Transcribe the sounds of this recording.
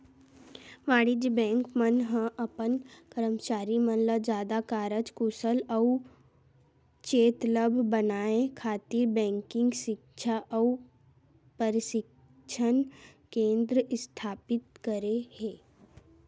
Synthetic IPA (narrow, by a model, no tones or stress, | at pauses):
ʋaːɽid͡ʒbɛ̃ːŋkmənɦə̃ʔɐpənkəɾəmt͡ʃaːɾimənləd͡ʒjaːd̪akaːɾət͡ʃkusəlɔu | t͡ʃeːt̪ləbʱbənaːẽkʰaːt̪iɾbɛ̃ːŋkɪ̃ŋɡʃɪkʃʰaʔɔu | pəɾɪʃɪk | t͡ʃʰən | kẽːnd̪ɾəɪst̪ʰaːpɪt̪̚kəɾeheː